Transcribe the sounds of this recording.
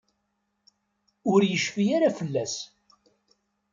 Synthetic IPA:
ʊɾjəʃfijaɾafəlːæs

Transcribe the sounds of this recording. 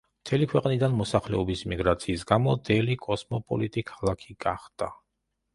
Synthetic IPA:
mt̪ʰɛlikʰwɛqʼnid̪anmɔsaχlɛɔbisimiɡɾat̪sʰiːsɡamɔd̪ɛlikʼɔsmɔpʼɔ̰lit̪ʼikʰalˠakʰiɡaχd̪̥a

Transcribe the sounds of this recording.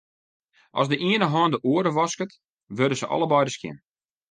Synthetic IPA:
ʔɔ̰sdəʔiənəɦɔːndəʔoəɾəʋɔskət | ʋørdəsəʔɔ̰lˠəbɔjdəskjɪ̰n

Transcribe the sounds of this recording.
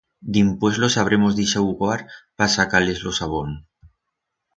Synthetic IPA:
d̪impwe̞zlosaβ̞ɾemo̞zðisauɣwaɾpasakale̞zlo̞saβ̞on

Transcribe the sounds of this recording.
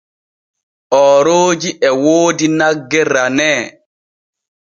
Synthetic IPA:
ʔɔːɾoːd͡ʒiʔɛwoːdinaɡːɛranɛː

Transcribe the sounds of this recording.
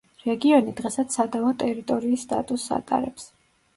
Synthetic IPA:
ɾɛɡiɔnid̪ʁɛsat̪ssad̪amɔt̪ʼɛɾit̪ʼɔɾiːsːt̪ʼa̰t̪ʼusa̰t̪ʼa̰ɾɛps

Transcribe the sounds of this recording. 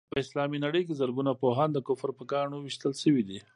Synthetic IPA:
pəɪslɑminaɽəjk̬ezəɾɡunapoɦɑnd̪əkʊfəɾpəɡɑɳowiʃt̪əlʃəwid̪i

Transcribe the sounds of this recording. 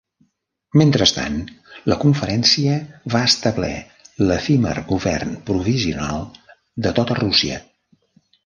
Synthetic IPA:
ment̪ɾəst̪a̰nləkuɱfəɾɛnsiəβaəst̪əβlɛ̰ | ləfimə̰rɣuβɛ̰rnpɾuβiziunalˠ | d̪ət̪ot̪ərusiə̰

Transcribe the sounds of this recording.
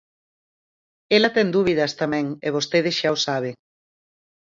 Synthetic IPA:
elɐt̪ɛŋd̪uβiðɐst̪amɛ̃ŋeβost̪eðɪsʃaʊsaβ̞eŋ

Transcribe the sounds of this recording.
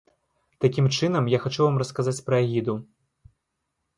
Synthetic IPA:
t̪akʲimt͡ʂɨnɐmjaxat͡ʂuvamrɐskazat͡sʲpɾɐaɣʲid̪u

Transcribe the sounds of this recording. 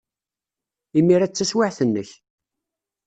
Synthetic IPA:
imːiɾæt͡sːæswaʕθənːəç

